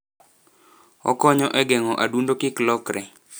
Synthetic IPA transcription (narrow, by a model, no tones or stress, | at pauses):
ɔ̰kɔɲɔʔɛɡɛŋɔʔadundokɪklɔkɾɛ